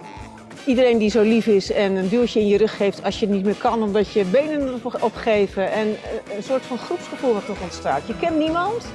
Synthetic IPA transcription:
ʔidəɾejndizowlifɪsɛnəndylˠtjəɪnjərɵχhejftʰɑsjətnitmɪːɹkɑnɔmdɑtjəbejnənɔpχejvəɛnənsʊːɹtfɑnχrupsχəfulˠʋɑtɔχɔntstaːtjəkɛntnimɑnt

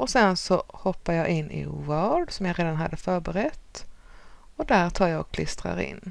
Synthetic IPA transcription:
ʔɔsɛnsɔhɔpːajɑːʔɪnːʔɪ̰vɑːɖ̪sɔmjaɾeːd̪anɦa̰d̪ːəfœːɾbəɾɛt̪ː | ɔd̪æɾt̪ʰɑːɾjaɡɔkʰlɪst̪ɾa̰ɾɪ̰nː

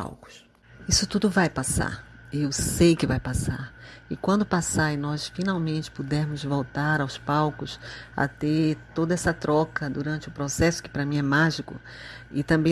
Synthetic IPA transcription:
a̰wkʊ̥s | isʊt̪ud̪ʊvajpasa̰ɾ | ewsejkɪvajpasa̰ɾɪkwɐ̃nd̪ʊpasaɾɪnɔsfinawmẽnt͡ʃɪ̥pud̪ɛɾmʊzvowt̪aɾawspawkʊsɐ̰t̪eɾt̪od̪ɐɛsɐt̪ɾɔkɐd̪uɾɐ̃nt͡ʃɪʊpɾosɛsʊ̥kɪ̥pɾɐmĩɛmaʒikʊ̰ | ɪt̪ɐ̃mbẽ

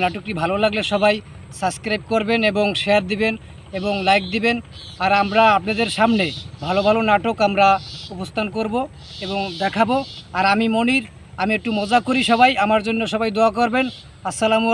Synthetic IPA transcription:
naʈok̚ʈibʱalolaɡleʃɔbaj | sabskɾajp̚koɾbeneboŋʃeaɾd̪iben | eboŋlajkd̪iben | aɾamɾaapnad̪eɾʃamnebʱalobʱalonaʈokamɾaupost̪ʰankoɾbo | eboŋd̪ɛkʰaboaɾamimoniɾ | amiek̚ʈumɔd͡ʑakoɾiʃɔbajamaɾd͡ʑonːoʃɔbajd̪oakoɾben | asalamu

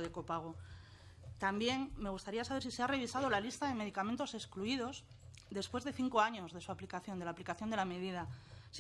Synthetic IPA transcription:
ðeko̞paɣ̞o | t̪ambje̞ŋmːe̞ɣust̪aɾiasaβ̞eɾsise̞are̞βisað̞o̞lalist̪aðe̞me̞ðikament̪o̞se̞skluið̞o̞z | ðe̞spwe̞zðe̞θiŋko̞aɲozðe̞suaplikaθjond̪laːplikaθjond̪eame̞ð̞ið̞as

